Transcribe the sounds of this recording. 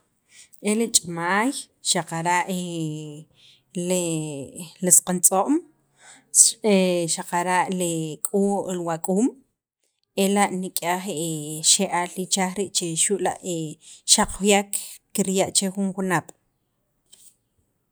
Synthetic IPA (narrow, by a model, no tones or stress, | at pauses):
ʔelit͡ʃʼamaːj | ʃaqaɾaʔe | l | lisqant͡sʼoʔm | eʃaqaɾaʔlikʼulwakʼuːm | elaʔnikʼaːχeʃeʔalɾit͡ʃaχɾiʔt͡ʃeʃuʔla̰ʔeʃaq͡χjakːiɾjaʔt͡ʃexunxunap